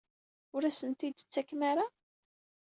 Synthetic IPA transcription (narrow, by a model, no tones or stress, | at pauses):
ʊɾæsənt̪id̪t͡sːækːmæɾa